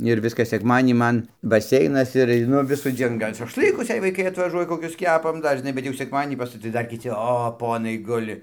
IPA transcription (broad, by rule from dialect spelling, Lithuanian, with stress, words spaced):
ɪr ˈʋʲɪskɐs sʲɛkˈmɑːdʲiɛnʲiː ˈmɐn bɐˈsʲɛɪnɐs ɪr ɐɪˈnʊ ʋʲɪsuːˈd͡zʲiɛn ˈɡɐlʲ ʃɐʃˈlˠɨkʊs jɛɪ ʋɐɪˈkɐɪ ɐtʋɐˈʒuɔjɛ koːˈkʲʊs ˈkʲæːpɐm ˈdɐr ʒʲɪˈnɐɪ bʲɛt jɛʊ sʲɛkˈmɑːdʲiɛnʲiː pɐs tɐɪ ˈdɐr kʲɪˈt͡sʲɪ ˈoː ˈpoːnɐɪ ˈɡʊlʲɪ